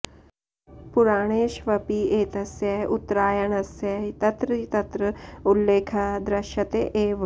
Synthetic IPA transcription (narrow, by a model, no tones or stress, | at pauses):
pʊɾaːɽ̃eːʃʋɐpiːʔeːt̪ɐsjɐʔʊt̪ɾaːjɐnɐsjɐit̪ɐt̪ɾəit̪ɐt̪ɾəulːeːkʰad̪ɾɐʃɐt̪eʔeːʋ